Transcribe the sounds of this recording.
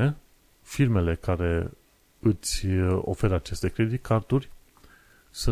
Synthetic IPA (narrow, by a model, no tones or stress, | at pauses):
e | firme̞le̞kaɾe̞ | ɨt̪sʲo̞̰fe̞ɾat͡ʃe̞st̪e̞kɾed̪ikʰart̪urʲ | sɨ